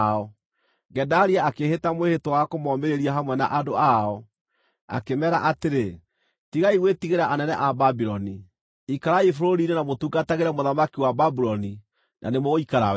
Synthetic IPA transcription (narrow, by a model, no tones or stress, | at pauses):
ɔ | ɡɛdaɾiaakehetamwehetowakomɔmeɾeɾiaɦamwɛna̰ʔadoaɔ | a̰kemɛɾa̰ʔateɾe | tiɣaiɣwetiɣeɾaʔanɛnɛ̰ʔababiɾɔni | ikaɾaifoɾoɾinenamotuɡataɣeɾɛmoðamakiwababuɾɔni | nʔa̰nemɔoikaɾaw